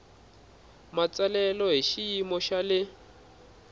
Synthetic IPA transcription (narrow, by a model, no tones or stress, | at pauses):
mat͡salɛlɔɦiʃiimɔʃalɪ